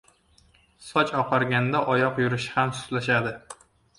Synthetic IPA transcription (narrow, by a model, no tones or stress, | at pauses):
sɒt͡ʃɒqʰɑɾɡʲand̪aʔɒjɒqjʊɾɪʃɪ̥hamsʊ̥t̪laʃad̪ɪ